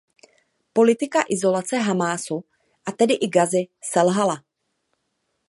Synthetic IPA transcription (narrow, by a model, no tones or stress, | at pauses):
po̞lɪt̪ɪkaʔɪzo̞lat͡sɛɦamaːsu | ʔat̪ɛdɪʔɪɡazɪsɛlɦala